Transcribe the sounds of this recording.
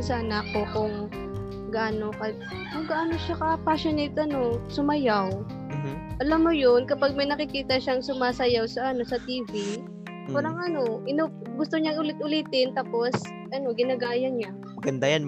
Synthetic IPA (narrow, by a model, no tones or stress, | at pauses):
sɐʔɐnakːokʊŋ | ɡaːnokɐ | kɐŋɡaʔaːnoʃakɐpaʃɪnejt̪ʔɐno̞sʊmɐjaw | ʔɐlamːojonkɐpaɡ̚mɐjnɐkɪkiːt̪ɐʃaŋsʊmaːsɐjawsɐʔɐno̞sɐt̪iːvi | paːɾɐŋʔɐno̞ʔɪno | ɡʊst̪oɲaŋʊlɪt̪̚ʔʊliːt̪ɪnt̪aːpo̞s | ʔɐno̞ɡɪnɐɡaːjɐɲa | mɐɡɐnd̪ajan